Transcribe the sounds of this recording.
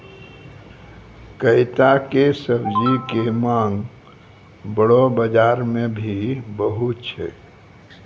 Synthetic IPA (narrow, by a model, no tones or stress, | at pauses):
kəɪt̪akesəbd͡ʒikemãŋɡ | bəɽobəd͡ʒaɾmẽbʱibəɦut̪̚t͡ʃʰɛ̰